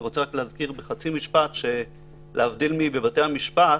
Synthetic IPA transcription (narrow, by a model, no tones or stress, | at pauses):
ʁot͡seaklehazkiʁbeχat͡simiʃpatʃe̞ | lʔeavdilmibe̞batejhamiʃpa